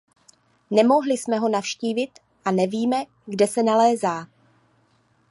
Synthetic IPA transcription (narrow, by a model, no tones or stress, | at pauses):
nɛmo̞ɦlɪsmɛɦo̞nafʃciːvɪt̪ | ʔanɛviːmɛ | ɡdɛsɛnalɛːzaː